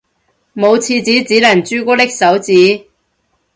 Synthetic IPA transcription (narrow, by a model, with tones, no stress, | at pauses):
mo˨˧wt͡sʰiː˧t͡siː˨˥t͡siː˨˥lɐ˨˩nt͡ʃyː˥kɔː˥lɪ˥k̚sɐ˨˥wt͡siː˨˥